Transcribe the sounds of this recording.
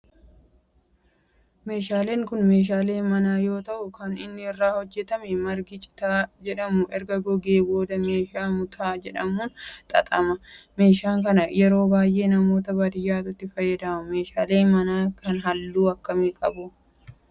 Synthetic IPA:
me̞ːʃaːle̞ːŋkʊnme̞ːʃ̬aːle̞ːnmɐnaːjo̞ːt̪ɐʔʊkɐnɪnːɪɪrːaːhɔd͡ʒːɛt̪ɐmɛmɐɾɡɪt͡ʃʼɪ̥t̪aːd͡ʒɛᶑɐmʊʔɛɾɡɐɡɔɡe̞ːbo̞ːd̪ɐme̞ːʃaːmʊt̪ʰaːd͡ʒɛᶑɐmuːnt̪ʼɐ̰t̪ʼɐmɐme̞ːʃaːŋkɐnɐjɛɾo̞ːbaːjʔe̞ːnɐmo̞ːt̪ɐbad̪ɪjːaːt̪ʊt̪ːɪfɐjːɐd̪ɐmʊme̞ːʃaːle̞ːnmɐnaːkɐnɦɐlːuːɐkːɐmekʼɐbʊ

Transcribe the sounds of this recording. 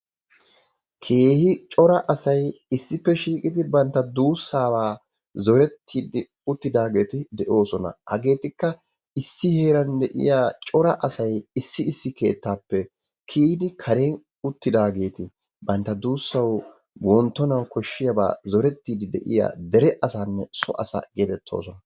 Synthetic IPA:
kʰe̞ːhɪt͡ʃʼɔɾɐʔɐsɐjɪsːɪpːɛʃiːkʼɪd̪ɪbɐnt̪ːɐd̪uːsːaːbaː | zɔɾɛt̪ʰːiːd̪ɪ | ʊt̪ːɪd̪aːɡe̞ːt̪ɪd̪ɛʔo̞ːsɔnɐ̰hɐɡe̞ːt̪ɪkːɐ | ɪsːɪhe̞ːɾɐnd̪ɛʔɪ̰jaːt͡ʃʼɔɾɐʔɐsɐjɪsːɪɪsːɪke̞̰ːt̪ːaːpːɛ | kʰiːd̪ɪkʰɐɾeːn | ʊt̪ːɪd̪aːɡe̞ːt̪ɪ | bɐnt̪ːɐd̪uːsːɐw | wʔɔnt̪ːɔnɐwkɔʃːɪjɐba̰ːzɔɾɛt̪ːiːd̪ɪd̪ɛ̰ʔɪ̰ja̰ːd̪ɛɾɛʔɐsaːnːɛsɔ̰ʔɐsa̰ːɡeːt̪ɛt̪ʰːo̞̰ːsɔnɐ

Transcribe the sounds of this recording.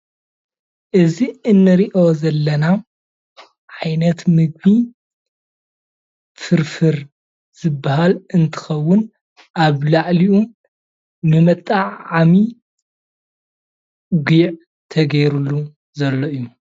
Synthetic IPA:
ʔɨziɨnːɨɾiʔozɐlːɐna | ʕajnɐt̪mɨɡ̚bi | fɨɾfɨɾ | z̥ɨbːaɦalɨnt̪ʰɨ̥xɐwːʊn | ʔaβlaʕliʔu | nɨmɐt̪ʼːaʕami | ɡiʕ | t̪ʰɐɡɐjɾulːu | zɐlːoʔɨjːu

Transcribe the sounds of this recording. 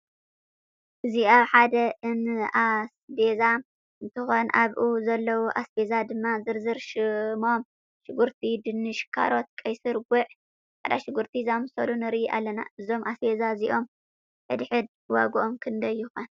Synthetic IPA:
ʔɨziaβħad̪ɐʔɨnasbeza | ɨnt̪ʰɨxo̞nʔaβʔuzɐlːɐwuʔasbezad̪ɨmːazɨɾzɨɾʃɨmo̞m | ʃɨɡuɾt̪ʰid̪ɨnːɨʃkʰa̰ɾo̞t̪̚kʼɐjsɨɾɡuʕ | ħa̰d̪aʃɨɡuɾt̪ʰizamɨsɐlunɨɾʔiʔa̰lːɐna̰ɨzo̞mʔasbezaziʔo̞m | ħɨd̪ħɨd̪̚ | wa̰ɡuʔo̞mkʰɨnd̪ɐjːuxɐn

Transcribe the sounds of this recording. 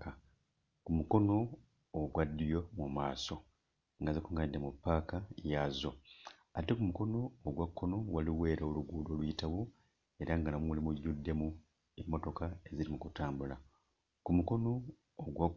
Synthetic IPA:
ka | kumuko̞no̞ː | ɡwadːijo̞mumaːso̞ | ŋɡazikuŋɡadːemupːaːkajazo̞ | atekumuko̞no̞ːɡwakːo̞no̞waliwe̞ːɾaoluɡuːdo̞ːlwitaβu | e̞ɾaŋɡanamuulimuɟːudːe̞mu | emːo̞to̞kae̞ziɾimukutaːmbula | kumuko̞no̞ː | ɡwa

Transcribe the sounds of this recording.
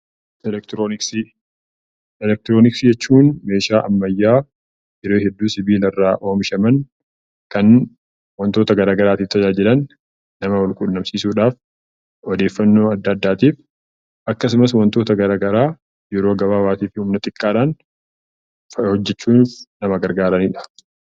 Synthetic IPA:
ɛlɛkt̪ɾnɪksɪ | ɛlɛk̚t̪ɪɾoːnɪksɪd͡ʒɛt͡ʃːuːnme̞ːʃaːʔɐmːɐjːaː | jɛɾeːhɛd̪ːuːsɪbiːlɐrːaːʔo̞ːmɪʃɐmɐn | kɐn | wɐnt̪o̞ːt̪ɐɡɐɾaːɡɐɾaːt̪iːft̪ʰːɐd͡ʒaːd͡ʒɪlɐnː | ɐmɐwɐlkʼunːɐmsiːsuːᶑaːf | ɔd̪e̞ːfːɐnːo̞ːɐd̪ːɐːd̪ːaːt̪iːf | ʔɐkːɐsʊmɐswɐnt̪o̞ːt̪ɐɡɐɾaːɡɐɾaː | jɛɾo̞ːɡɐbaːwaːt̪iːfɪhʊmnɐt̪ʼɪkʼːaːᶑaːn | hɔd͡ʒːɛt͡ʃːuːnːfnɐmɐɡɐɾɡaːɾɐniːᶑɐ̥

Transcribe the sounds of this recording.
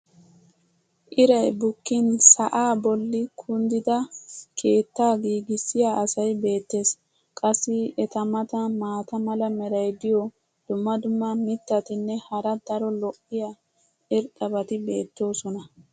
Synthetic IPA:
ʔɪɾɐjbʊkːɪnsɐʔaːbɔlːɪkʰʊnd̪ɪd̪ɐkʰe̞ːt̪ːaːɡiːɡɪsːɪjaɐsɐjbe̞ːt̪ːe̞ːs | kʼɐsːɪɛt̪ɐmɐt̪ɐmaːt̪ɐmɐlɐmɛɾɐjd̪ɪjɔ | d̪̥ʊmːɐd̪ʊmːɐmɪt̪ːɐt̪ɪnːɛhɐɾɐd̪̥ɐɾɔlɔʔːɪjɐ | ɪɾt̪ʼɐbɐt̪ɪbe̞ːt̪ːo̞ːsɔnɐ

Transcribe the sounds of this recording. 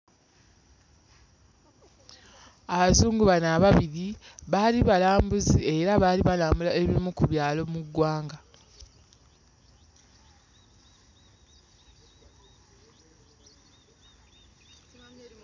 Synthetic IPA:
aβazuːŋɡuβanaβaβiɾiβaliβalaːmbuzie̞ɾaβaːliβalaːmbulaeβiimukuβjaːlo̞muɡwaːŋɡa

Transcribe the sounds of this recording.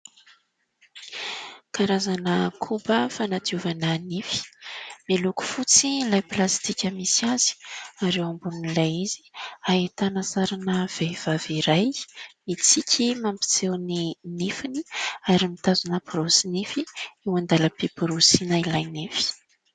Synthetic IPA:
kaɾazanəkʰubəfanat̪iuvanənifi̥meluku̥fut͡silajplast̪ikʲəmisiaz̥i̥aɾewambununilajizi̥ait̪anasaɾanəv̥ejv̥aviɾajmit͡sikʲʰimampi̥t͡sewninifiniaɾimit̪azunəpɾosinifiewand̪aləpipuɾosinailajnefi̥

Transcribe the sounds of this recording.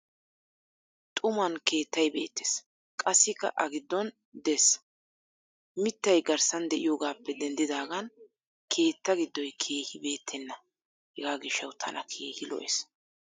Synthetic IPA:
t̪ʼʊmɐnke̞ːt̪ːɐjbe̞̰ːt̪ːɛ̥s | kʼɐsːɪkːɐ̰ʔɐɡɪd̪ːɔn | d̪ɛs | mɪt̪ːɐjɡɐɾsɐnd̪ɛʔɪ̰joːɡaːpːɛd̪ɛnd̪ɪd̪aːɡɐn | kʰe̞ːt̪ːɐɡɪd̪ːɔjkʰe̞ːhɪbe̞ːt̪ʰːɛnːɐ | hɛɡaːɡɪʃːɐwt̪ʰɐ̰nʔɐ̰kʰeːhɪlɔ̰ʔḛs

